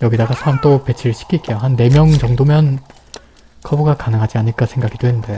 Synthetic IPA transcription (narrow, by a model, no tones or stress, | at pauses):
jʌɡidaɡasʰaɾamt͈ope̞t͡ɕʰiɾɯɭɕʰi̥kʰit̚k͈ejoɦanːe̞mjʌŋt͡ɕʌŋdomjʌn | kʰʌbuɡakanɯŋɦad͡ʑiaɲiɭk͈asʰe̞ŋɡaɡidowenɯnde̞